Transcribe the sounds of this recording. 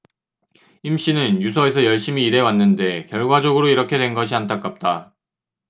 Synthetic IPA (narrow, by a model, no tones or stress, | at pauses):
imɕ͈inɯnjusʰʌe̞sʰʌjʌɭɕ͈imiːɾe̞wanːɯnde̞kjʌɭɡwad͡ʑʌɡɯɾoiɾʌkʰe̞dwe̞nɡʌɕʰiantʰak͈ap̚t͈a